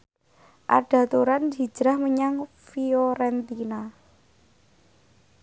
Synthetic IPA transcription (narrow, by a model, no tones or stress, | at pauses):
ʔa̰ɖ̥ä̤t̪uɾand͡ʒi̤̥ʒ̥ɾahməɲaŋ | fioɾɛnt̪ina